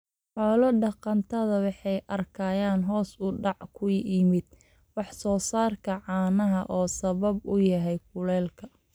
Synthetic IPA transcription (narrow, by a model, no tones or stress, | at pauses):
ħɔːlɔɖɑqɑnt̪ʰɐðɐwɑħɑjʔɐrkʰaːjaːnɦɔːsʊɖɑʕkʰʊjʔimɪd̪̚ | wɑħsɔːsaːrkʰɐʕɑːnɐɦɐʔɔːsɐβɐbʊjɐɦɛjkʊlɛːlkʰɐ